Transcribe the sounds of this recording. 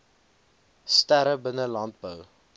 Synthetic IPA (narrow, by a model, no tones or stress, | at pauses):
stæɾəbənəlɑnt̚bəw